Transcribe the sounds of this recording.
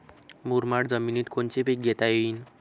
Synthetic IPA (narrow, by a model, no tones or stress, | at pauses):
muɾmaɽd͡zʌminit̪kont͡sebiɡet̪aen